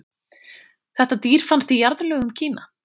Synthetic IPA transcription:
θɛht̪at̪iːɾ̥fanst̪ijaɾt̪lœːɣʏmcʰiːna

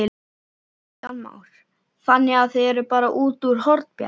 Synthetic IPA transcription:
ɪ | ama̰ːwɾ̥ | θanːɪɣaðθeðɛɾʏpaːɾaʔuːt̪uɾ̥hɔɾt̪pja̰

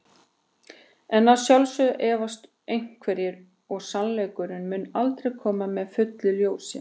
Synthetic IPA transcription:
ɛnaðsjawlsʏʔɛːvast̪ | ejŋ̥kʰvɛɾjɪɾ | ɔɣsanlejkʏɾʏnmʏnːalt̪ɾejkʰɔːmamɛðfʏt̪lɪljoːwsɪ̰

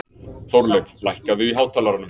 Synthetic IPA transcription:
θowɾlœklajhkaðʏiɦaːwt̪ʰaːlaɾanːʏm

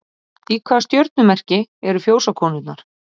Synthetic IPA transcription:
iːkʰvḁst̪jœɾt̪̚nʏmɛr̥cɪɛɾʏfjoːwsakʰɔːnʏt̪naɾ̥

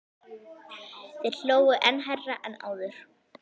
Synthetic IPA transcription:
θejɾl̥oːwʏʔɛnɦajraʔɛna̰ːwðʏɾ̥

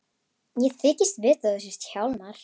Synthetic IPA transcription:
jɛθɪːcɪst̪vɪːt̪aɛs̬ʏst̪çawlnaɾ̥

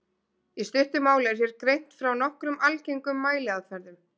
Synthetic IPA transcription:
ist̪ʏht̪ʏmaːwlɪɛɾ̥θjɛɾkɾejn̥t̪fɾawnɔhkɾʏmalcejŋkʏmːaːjlɪaðfɛɾðʏm

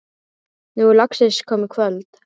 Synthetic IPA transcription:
nulaksɪskʰɔːmɪkʰvœlt̪

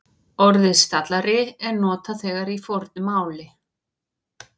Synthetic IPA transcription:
ɔɾðɪst̪at̪laɾɪɛɾnɔːt̪aθɛːɣaɾifɔɾt̪̚nʏmaːwlɪ

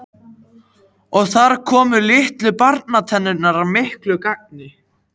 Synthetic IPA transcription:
ɔɣθaɾ̥kʰɔːmʏlɪht̪lʏpaɾt̪nat̪ʰɛnːʏnːaɾamɪhklʏkak̚nɪ

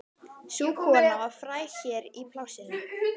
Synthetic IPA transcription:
suːkʰɔːlavafɾaːjçɛːɾipʰlaːwsɪn

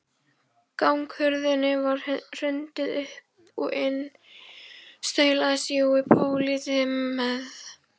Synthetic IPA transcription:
kawŋkhʏɾðɪnːɪvaɾ̥r̥ʏnt̪ɪðʏhp | ɔejn | st̪œːɥlaːsiɪpʰoːwliːt̪ɪːɛð

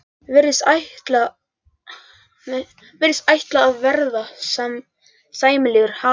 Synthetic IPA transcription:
vɪɾðɪsajht̪la | vɪɾɪst̪ajht̪laːvvɛɾðasɛm | saːjmɪlɪːɣʏɾ̥ha

